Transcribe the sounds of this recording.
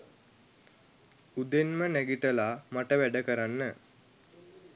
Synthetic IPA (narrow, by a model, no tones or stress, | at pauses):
ud̪enmənæɡiʈəlaːmaʈəʋæɖəkəɾanːə